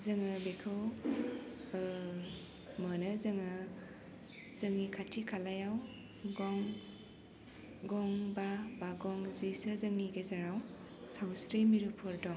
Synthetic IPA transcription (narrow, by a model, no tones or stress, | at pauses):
zɯŋɯbekʰɯw | mənɯzɐŋɯ | z̥əŋnikʰatʰikʰalajaw | ɡɔŋ | ɡɔŋbabaɡɔŋzisɯzɐŋniɡezaɾaw | sawsɾemiɾupʰɔɾdɔŋ